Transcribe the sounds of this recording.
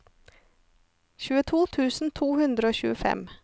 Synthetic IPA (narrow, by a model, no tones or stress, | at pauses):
çʉːət̪ʰuːt̪ʰʉːsn̩t̪ʰuːhʉnd̪ɾəoːçʉ̰ːəfɛ̰m